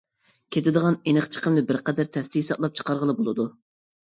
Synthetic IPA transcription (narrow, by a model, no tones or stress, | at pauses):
kʲʰet̪ɪd̪əʁɑnenɨχt͡ʃʰə̥qəmnɨbɪɾqɛd̪æɾt̪ʰɛst̪ʰɪjisɑblˠɑp̚t͡ʃʰə̥qʰɑɾʁəlˠɨbolˠɨd̪u